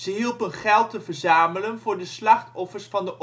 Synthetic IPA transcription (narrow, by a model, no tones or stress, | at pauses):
zəɦilˠpənχɛlˠtəvəɹzaːmələnvʊːɹdəslɑχtɔfəɹsfɑndəʔ